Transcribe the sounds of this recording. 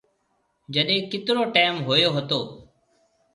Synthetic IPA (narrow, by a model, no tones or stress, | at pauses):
d͡ʒəɗẽːkɪt̪ɾoːʈeːmɦoːjoːɦət̪oː